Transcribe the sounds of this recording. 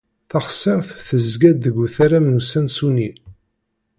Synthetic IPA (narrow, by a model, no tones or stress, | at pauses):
θɑχsəʁθθəzɡæd̪ːəɡʷːuθaɾæmnusænsuni